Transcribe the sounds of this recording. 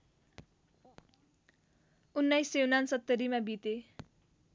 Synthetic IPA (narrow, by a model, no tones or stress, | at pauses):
unːʌjsewnansʌt̪ːʌɾimabit̪e